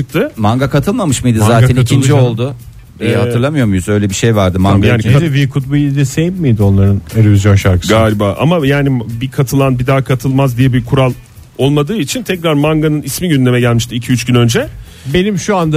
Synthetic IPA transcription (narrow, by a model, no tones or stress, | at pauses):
t͡ʃɯk̚t̪ʰɯmaŋɡakʰat̪ʰɯlˠmamɯʃmɯjd̪izaːt̪ʰɛnaicʰind͡ʒiollˠd̪ʊ | ɛhaɯɾlˠamɯjo̞ɾmujuzø̞jlʲɛbiʃejvaɾd̪ɯmaɡjaːnivikʰut̪̚buid̪ɛsejipmijd̪io̞nlˠaɾɯneɾovizjo̞nʃaɾkʰɯ̥ɡaːɾibaːʔa̰majaːnibikʰat̪ʰɯlˠanbid̪aːkʰat̪ʰɯlˠmazd̪ijɛbikʰuɾalˠ | o̞lˠmad̪ɯːit͡ʃʰint̪ʰɛcɾaɾmaŋɡanɯnismiɟynd̪ʲe̞mɛɟælʲmiʃt̪ʰiːcʰiyt͡ʃɟynø̞nd͡ʒɛ | be̞nimʃuand̪a